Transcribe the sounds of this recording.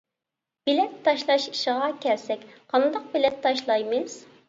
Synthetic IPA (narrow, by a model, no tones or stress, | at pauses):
b̥ilɛt̪ʰːɑʃlˠɑʃiʃɪʁɑkʲʰɛlsɛkʲqʰɑnd̪ɑq̚bɪlɛt̪ʰːɑʃlˠɑjmɨz̥